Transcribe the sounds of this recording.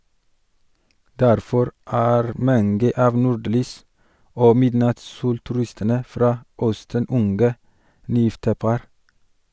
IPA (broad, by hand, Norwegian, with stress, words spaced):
ˈdæɾfɔɾ ˈæːɾ ˈmɑnɡə ˈɑːʋ ˈnuːˌɖlyːs ˈoː ˈmɪdnɑtsˌsuːltʉˌɾɪstənə ˈfɾɑː ˈœstən ˈʊnɡə ˈnyːˌjɪftə ˈpɑɾ